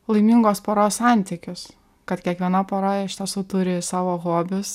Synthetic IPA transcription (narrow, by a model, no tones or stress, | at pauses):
lˠɐɪmʲiŋɡoːspoːɾoːssɑˑnʲt̪ʲɪkʲʊs | kɐt̪kʲiɛkʋʲiɛnɐpoːɾoːjɛɪʃʲt̪ʲɛsuːt̪ʊɾʲɪsɑːʋoːɣoɔbʲʊs